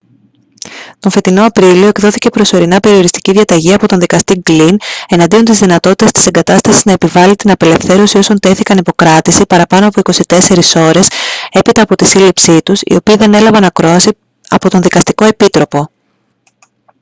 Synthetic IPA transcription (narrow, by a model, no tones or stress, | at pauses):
t̪o̞ɱfe̞t̪ino̞ɐpɾilioe̞kðo̞θice̞pɾo̞so̞ɾinɐpe̞ɾio̞ɾist̪i̥ciðʝɐt̪ɐʝiɐpo̞t̪o̞nðikɐst̪iɡline̞nɐnd̪io̞nt̪izðinɐt̪o̞t̪i̥t̪ɐst̪i̥se̞ŋɡɐt̪ɐst̪ɐsiznɐe̞pivɐlit̪inɐpe̞le̞fθe̞ɾo̞sio̞so̞nt̪e̞θikɐnipo̞kɾɐt̪isipɐɾɐpɐno̞ɐpo̞iko̞sit̪e̞se̞ɾiso̞ɾe̞se̞pit̪ɐːpo̞t̪isilipsit̪usḭo̞piːðe̞nelɐvɐnɐkɾo̞ɐsi | ɐ̰po̞t̪o̞nðikɐst̪iko̞e̞pit̪ɾo̞po̞